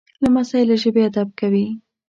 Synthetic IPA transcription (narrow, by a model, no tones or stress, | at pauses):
lamasɑjelaʒəbead̪ab̚kawi